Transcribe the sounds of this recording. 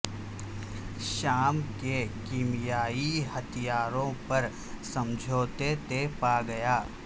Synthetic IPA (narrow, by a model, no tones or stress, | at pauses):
ʃaːmkekiːmijaːihɐt̪ʰijaːɾõpɐɾ | sɐ̃md͡ʒʱoːt̪et̪epaːɡɐjaː